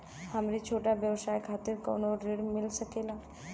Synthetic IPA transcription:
hamɾit͡ʃʰoʈaʋjəʋsajkʰat̪iɾko̰ɳoɾːiɽmilsəkela

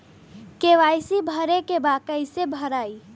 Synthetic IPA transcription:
keʋaːjsibʱəɾekebakəjsebʱəɾaːi

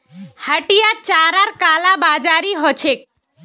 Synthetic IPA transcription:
həʈijat͡ʃaɾaɾkalabad͡ʒaɾiɦɔt͡ʃʰek̚

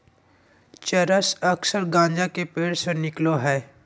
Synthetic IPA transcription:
t͡ʃəɾəsəksəɾɡãːɲd͡ʒãkepeːɽsenɪkloɦɛː

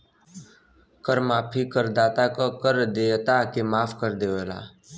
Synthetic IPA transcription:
kəɾmaːpʰikəɾd̪aːt̪akokəɾd̪eːt̪akemaːpʰkəɾd̪eːʋeːla̰ː

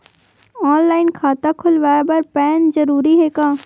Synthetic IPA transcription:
ɔːnlaːɪnkʰaːt̪akʰʊlʋaːebəɾpɛːnzɐɾuːɾiɦɛːkãː

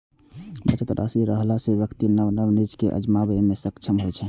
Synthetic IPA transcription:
bət͡ʃət̪ɾʔa̰siɾəɦlasebjəkt̪inəbnəbnid͡ʒkeʔə̰d͡ʒmabemesəkt͡ʃʰəmɦojt͡ʃʰɛ

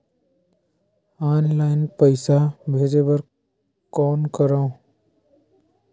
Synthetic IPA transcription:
aːnlaːɪnpəɪsabʱeːd͡ʒebɐɾ | kɔːnkəɾãːõ

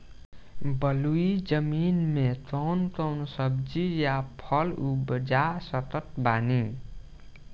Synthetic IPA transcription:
bʌluid͡ʒʌminmet̪ɔwnt̪ʌwnsʌb̚d͡ʒijapʰʌlubəd͡ʒasʌt̪ʌt̪̚bani

